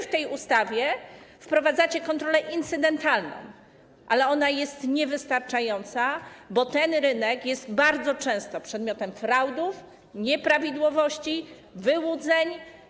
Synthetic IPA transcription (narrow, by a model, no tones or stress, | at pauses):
ft̪ɛjust̪avʲjɛfpɾɔvad̪zat͡ɕɛkɔnt̪ɾɔlɛʔint̪sɘd̪ɛnt̪alnɔ̰̃w̃ | ʔalɛɔnajɛst̪ɲɛvɘst̪aɾt͡ʂajɔnt̪sabɔt̪ɛnɾɘnɛkjɛst̪baɾd̪zɔt͡ʂɛ̃w̃st̪ɔpʂɛd̪mʲɔt̪ɛmfɾawd̪uf | ɲɛpɾavʲid̪wɔvɔɕt͡ɕi | vɘwud̪zɛɲ